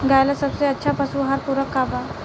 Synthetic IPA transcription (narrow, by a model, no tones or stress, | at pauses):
ɡʱajlasəbseətːɕʰapasũɦaɾpuɾəkːaba